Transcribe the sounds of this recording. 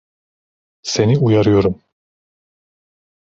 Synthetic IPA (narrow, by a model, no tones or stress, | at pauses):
se̞niujaɾɯjo̞ɾum